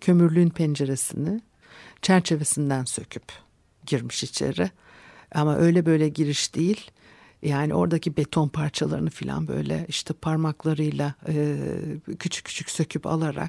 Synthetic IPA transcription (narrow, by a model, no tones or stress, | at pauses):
cʰø̞myɾlʲyynpʰɛnd͡ʒe̞ɾesinɪ | t͡ʃʰæɾt͡ʃʰe̞ve̞sind̪ænsø̞cʰyp | ɟiɾmi̥ʃit͡ʃʰḛɾɪ | amaʔø̞jlʲɛbø̞jlʲɛɟiɾiʃd̪̥ejilʲ | jaːniʔo̞ɾd̪acʰibe̞t̪ʰo̞npʰaɾt͡ʃʰalˠa̰ɾɯnɯfilʲa̰nbø̰jlʲɛ̰iʃt̪ʰɛpʰaɾmaklˠaɾɯjlˠaɯːcʰyt͡ʃʰy̥cʰːy̥t͡ʃʰy̥cʲsø̞cʰypa̰lˠaɾa̰k̚